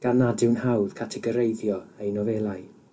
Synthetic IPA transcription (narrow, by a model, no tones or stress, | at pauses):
ɡ̥anadɪwnhawð̥kʰatʰɛɡɔɾejðjɔejnɔvɛlˠaj